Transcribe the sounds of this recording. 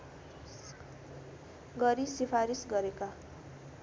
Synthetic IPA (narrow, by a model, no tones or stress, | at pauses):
ɡʌɾisipʰaɾisɡʌɾeka